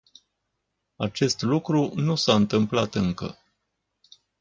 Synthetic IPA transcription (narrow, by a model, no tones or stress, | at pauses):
at͡ʃe̞st̪lukɾunusaɨnt̪ɨmplat̪ɨŋkə̰